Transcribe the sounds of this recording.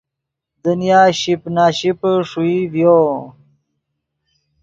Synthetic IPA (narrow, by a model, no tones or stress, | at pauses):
d̪unijaːɕipnaːɕipʂuivjo